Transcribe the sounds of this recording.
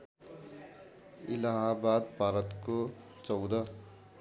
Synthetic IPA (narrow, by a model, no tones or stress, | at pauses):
ilaɦabad̪bʱaɾʌt̪ko | t͡sʌwd̪ʌ